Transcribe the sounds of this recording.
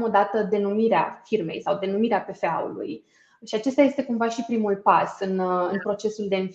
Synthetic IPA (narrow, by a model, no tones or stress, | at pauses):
mo̞d̪at̪əd̪e̞numiɾea̰firme̞̰jsawd̪e̞numiɾeape̞fe̞a̰ṵlṵj | ʃiat͡ʃe̞st̪aje̞st̪e̞kumvaʃipɾimulpasɨnɨnpɾo̞t͡ʃe̞suld̪e̞ɨnf